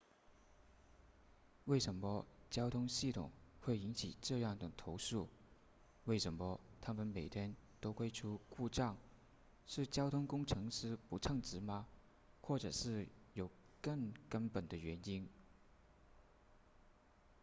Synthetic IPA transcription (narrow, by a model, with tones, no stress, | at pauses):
we˥˩ɪʂə˧˥nmə˧t͡ɕjɑ˥ʊt̪ʰʊ˥ŋɕi˥˩t̪ʰʊ̰˨˩ŋxwe˥˩ɪi˧˥nt͡ɕʰi˨˩ʈ͡ʂɤ˥˧jɑ˥˩ŋd̪ə˩t̪ʰo˧˥ʊʂu˥˩ | we˥˩ɪʂə˧˥nmə˧t̪ʰa˥mə˨nme˨˩ɪt̪ʰjɛ˥nt̪o˥ʊkwe˥ɪʈ͡ʂʰu˥ku˥˧ʈ͡ʂɑ˥˩ŋ | ʂɻ̩˥˩t͡ɕjɑ˥ʊt̪ʰʊ˥ŋkʊ˥ŋʈ͡ʂʰɤ˧˥ŋʂɻ̩˥pu˧˥ʈ͡ʂʰɤ˥˩ŋʈ͡ʂɻ̩˧˥mɐ˧ | xwɔ˥˩ʈ͡ʂɤ˨˩ʂɻ̩˥˩jo˨˩ʊ | kə˥˩ŋkə˥npə˨˩nd̪ə˦ɥɛ˧˥ni˥n